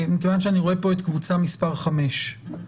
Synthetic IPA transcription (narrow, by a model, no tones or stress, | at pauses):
mikevanʃeaniʁo̞epo̞et̪kvut͡samispaʁχame̞ʃ